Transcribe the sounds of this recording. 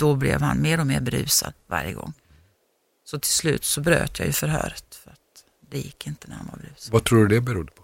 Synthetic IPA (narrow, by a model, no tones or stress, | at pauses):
d̪̥ɔblɛvhanmeːɾɔmeːɾbɛɾʉ̟ːsad̪va̰ɾjəɡɔ̰ŋː | sɔt̪ʰɪlslʉ̟ːt̪sɔbɾøːt̪jaːjɵfœɾɦœːɾət̪fœɾat̪ | d̪ɛjɪkːɪnt̪ənæɾhanva̰ɾbɾʉ̟ːsvat̪ʰɾuːɖɵd̪ɛbɛɾuːd̪əpʰɔ